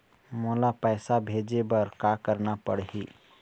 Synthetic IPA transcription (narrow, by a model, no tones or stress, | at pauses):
moːlapɛːsabʱeːd͡ʒebɐɾkakəɾnapəɽɦḭː